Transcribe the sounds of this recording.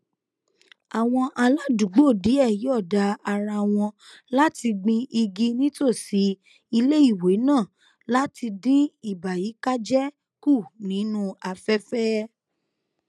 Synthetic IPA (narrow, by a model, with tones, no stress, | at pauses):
a˨w̃ɔ̃˧ʔa˧la˦du˨˦ɡ͡bo˦˨di˨˦ɛ˦˨ji˨˦ɔ˦˨da˧˦a˧ɾa˧w̃ɔ̃˧la˦ti˧ɡ͡bĩ˧ʔi˧ɡi˦nĩ˦to˦˨si˨˦ | i˧le˦i˦˨we˨˦nãː˦˨ | la˦ti˧dĩ˦i˦˨ba˨ji˨˦ka˦d͡ʒɛ˦ | ku˦˨nĩ˨˦nũ˦a˧fɛ˦fɛ˦